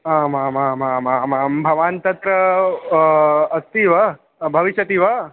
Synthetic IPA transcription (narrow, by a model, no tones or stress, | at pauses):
amamamamamambʱɐʋant̪ɐt̪ɾɐ | st̪iʋɐ | bʱɐʋiʃjɐt̪iʋɐ